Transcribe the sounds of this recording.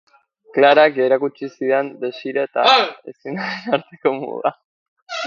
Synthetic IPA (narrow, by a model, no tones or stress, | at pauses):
klaɾakeɾakut͡ʃisiðend̪esiɾet̪aesinaenaɾt̪eko̞mṵða̰